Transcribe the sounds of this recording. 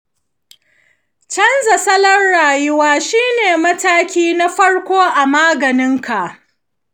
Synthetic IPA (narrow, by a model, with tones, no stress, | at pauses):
t͡ʃɐ˦nzɐ˨sɐ˦lɐ˦nɽaː˨jʊ˦waː˦ʃiː˦neː˨mɐ˦taː˦kʲiː˦na˦ɸɐ˦ɽkʷoː˦ʔa˨maː˦ɡɐ˨nɪ˦ŋka˨ʔ